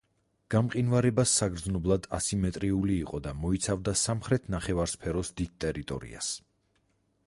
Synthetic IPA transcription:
ɡ̥amqʼinvaɾɛbasːaɡɾd̪znɔblˠad̪asimɛt̪ʼɾiuliːqʼɔd̪amɔit̪sʰavd̪asamχɾɛt̪ʰnaχɛvaɾspʰɛɾɔsd̪id̪̚t̪ʼɛɾit̪ʼɔ̰ɾḭa̰s

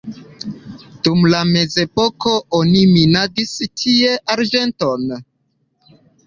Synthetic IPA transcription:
d̥umlame̞ze̞po̞ko̞oniminaɡistʰie̞ʔaɾd͡ʒe̞nto̞n

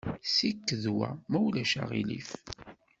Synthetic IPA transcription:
sikːəðwæ̰mæwlæʃa̰ʁilif

